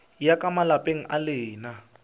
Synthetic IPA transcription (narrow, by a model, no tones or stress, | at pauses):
jakʼamalapʼeŋ̩ʔalɪːna